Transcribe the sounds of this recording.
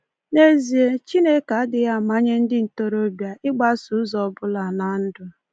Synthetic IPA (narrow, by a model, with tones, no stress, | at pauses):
ne˦zi˨e˦t͡ʃi˦ne˦ka˨a˦dɪ˨ja˦˨ma˦ɲe˦n̩˦dɪ˦n̩˨to˦ɾo˦bja˨ʔɪ˦ɡ͡ba˦su˨˦zɔ˨bʊ˦la˨na˨n̩˦dʊ˨